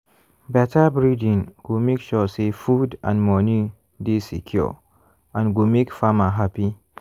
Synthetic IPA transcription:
bɛtʰabɹidĩnɡumekʃɔsefudã̰nmɔni | disḭkʰjɔ̰ | ãnɡumekfamaɦapi

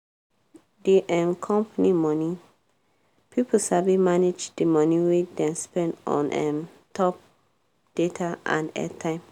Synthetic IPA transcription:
deʔɛ̃nkʰɔ̃mpanimɔni | pʰipʰosabimaned͡ʒdemɔniwedɛ̃nspɛ̃ndɔ̰̃nʔɛm | tʰɔp̚ | d̥etʰaã̰nɛ̰tʰãɪ̃m

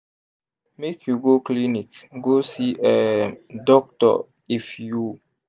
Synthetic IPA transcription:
mekʰjuɡoklinikɡosiʔɛdɔk̚tɔ̰ | ifju

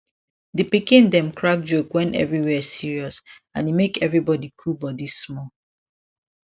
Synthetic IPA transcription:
dipikĩndɛ̃mkʰɹak̚d͡ʒokwɛ̃nʔɛ̰vɹiwɛsiɹiɔsã̰nimekɛvɹibɔdikʰubɔdismɔ

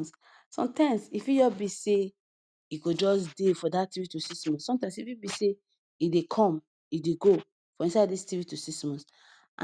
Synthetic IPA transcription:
s | sɔ̰̃mtãɪ̃msifid͡ʒɔbise | ikod͡ʒɔsdefɔdativitusismɔ̃nsɔ̃mtãɪ̃msifibise | idekʰɔ̃m | ideɡo | fɹɔ̃ĩnsaɪddistivitusismɔ̃ns | ʔã

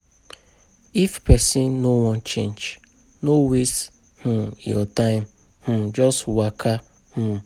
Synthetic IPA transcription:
ifpɛsinnowɔ̃nt͡ʃḛ̃nd͡ʒ | nowes | h̩jɔ̰tãɪ̃m̩ | h̩d͡ʒɔstwakʰa | h̩

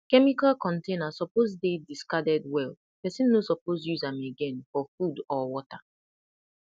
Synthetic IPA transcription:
kɛmikalkɔ̃ntenasɔpozdediskadɛd̚wɛl | pɛsĩnːosɔpozjuzãmeɡɛ̃nfɔfudɔwɔta

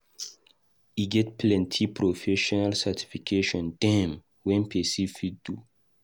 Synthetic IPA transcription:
iɡɛtpʰlɛ̃ntʰipʰɹofɛʃɔnalsatʰi̥fikʰeʃɔ̃nd̥ɛ̃m | wɛ̃npʰɛsifidu

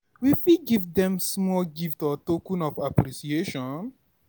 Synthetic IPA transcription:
wifiɡivdɛ̃msmɔlɡiftɔtokũnɔfapɾisieʃɔ̃n

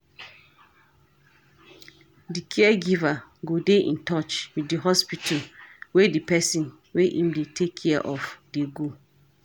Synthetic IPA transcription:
dikʰɛɛɡivaɡodeʔḭ̃ntɔt͡ʃwiddiɦɔspitʰawedipɛsĩn | weʔĩmdetʰekʰːɛɛʔɔfdeɡo

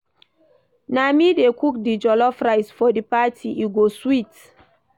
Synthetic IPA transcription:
namidekuk̚did͡ʒɔlɔfɹajsfɔdipatʰiuɡoswit

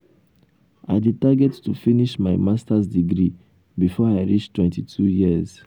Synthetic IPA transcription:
a̰ɪditaɡɛttufiniʃmaɪmastazdiɡɹi | bifɔaɪɹit͡ʃtwɛ̃ntitʰujiəz̥

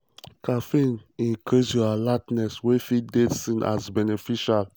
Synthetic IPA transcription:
kafĩnĩkʰesjɔalatnɛswefidedsĩnʔa̰zbɛnefiʃal

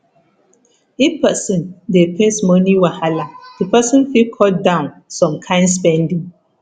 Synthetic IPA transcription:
ipɛsɔ̃ndepʰẽsmɔniwahaladɨpɛsɔ̃nfilkʰɔt̚dãʊ̃nsɔ̃mkʰãɪ̃ndspɛ̃ndĩŋ

